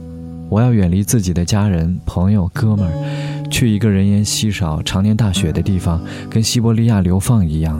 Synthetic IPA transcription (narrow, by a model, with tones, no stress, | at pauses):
wɔ˨˩jɑ˥˩ʊɥɛ˨˩nli˧˥t͡sɹ̩˥˩t͡ɕi˨˩d̪ə˦t͡ɕja˥ɻə˧˥npʰɤ˧˥ŋjo˨˩ʊkɤ˥mə˞˨˩t͡ɕʰy˥˩i˧˥ɡə˧ɻə˧˥njɛ˧˥nɕi˥ʂɑ˨˩ʊʈ͡ʂʰɑ˧˥ŋnjɛ˧˥nt̪a˥˩ɕɥɛ˧˥d̪ə˦t̪i˥˩fɑ˩ŋ | kə˥nɕi˥pɔ˧˥li˥ja˥˩ljo˧˥ʊfɑ˥˩ŋi˧˥jɑ˥˩ŋ